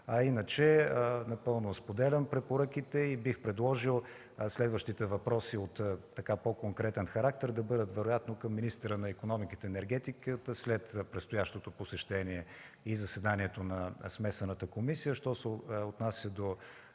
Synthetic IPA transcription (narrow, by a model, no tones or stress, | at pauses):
ɐinət͡ʃɛnɐpɤlˠnospod̪ɛlʲɐmpɾɛpoɾak̟it̪ɛibixpɾɛd̪lˠɔʒilˠ | slɛd̪vəʃt̪it̪ɛvɐpɾɔsiot̪ː | ɐkapokoŋkɾɛt̪ɛnxɐɾak̚t̪ɛɾd̪ɐbɤd̪ət̪vɛɾojat̪nokɐmːinist̪ɛɾənɐikonɔmikit̪ɛːnɛɾɡɛt̪ikət̪əslɛt̪pɾɛt̪st̪ojaʃt̪ot̪oposɛʃt̪ɛniɛ | izɐsɛd̪aniɛt̪onɐsmɛsɐnət̪əkomisijəʃt̪ɔsɛot̪nasʲjəd̪o